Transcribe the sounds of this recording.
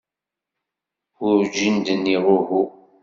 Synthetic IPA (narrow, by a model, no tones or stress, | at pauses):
ʊɾd͡ʒind̪ənːiʁʊɦu